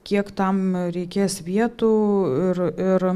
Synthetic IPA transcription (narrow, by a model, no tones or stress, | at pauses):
kʲiɛkt̪ɐmɾʲɛɪkʲeːsʋʲiɛt̪uːɪrɪr